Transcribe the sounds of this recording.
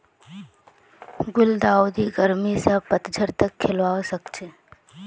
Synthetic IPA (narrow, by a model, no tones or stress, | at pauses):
ɡʊld̪aːwd̪iɡəɾmisəpət̪d͡ʒʱəɾt̪əkʰːɪlʋaːwsəkt͡ʃʰeː